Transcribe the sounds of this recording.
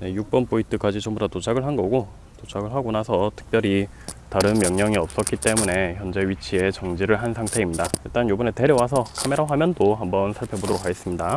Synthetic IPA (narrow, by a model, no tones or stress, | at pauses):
ne̞juk̚p͈ʌnpʰointʰɯk͈ad͡ʑit͡ɕombodatot͡ɕʰaɡɯɭɦanɡʌɡo | tot͡ɕʰaɡɯɭɦaɡonasʰʌtʰɯ̥k̚p͈jʌɾi | taɾɯnmjʌŋɲʌŋiʌp̚s͈ʌk͈it͈e̞mune̞çjʌnd͡ʑe̞ɥit͡ɕʰie̞t͡ɕʌŋd͡ʑiɾɯɭɦansʰaŋtʰe̞imɲidaiɭt͈anjobɯne̞te̞ɾjʌwas̬ʰʌkʰame̞ɾawamjʌndoɦambʌnsʰaɭpʰjʌbodoɾokʰaɡe̞s͈ɯmɲida